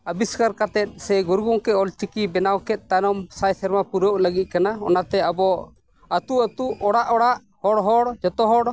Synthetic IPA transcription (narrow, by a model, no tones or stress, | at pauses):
əbiskaɾkat̪ɛt̪̚ˀsɛɡuɾɡɔŋkɛɔlt͡ʃikibɛnawkɛt̪̚ˀt̪anɔmsajsɛɾmapuɾoʔləɡit̪̚kanaɔ̰nat̪ɛabɔ | ət̪uət̪uʔɔɽaʔɔɽaʔ | hɔɽɦɔɽd͡ʒɔt̪ɔɦɔɽ